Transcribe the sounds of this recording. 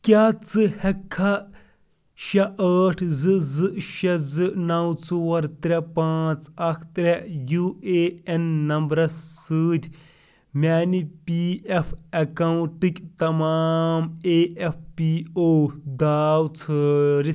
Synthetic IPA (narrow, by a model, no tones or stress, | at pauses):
kʲaːt͡sɨhɐkʰːɐ | ʃɐʔɐːʈʰzɨzɨʃɐzɨnɐwt͡suwɐɾt̪ɾʲɐpaːt͡sɐkʰt̪ɾʲejueːenːɐmbɾɐssɨːd̪ʰʲ | mʲaːnipʲiefʰɐkɐwuʈɨkʲt̪ɐmaːmeːʔefʰpiːoːd̪aːwt͡sʰɨɾi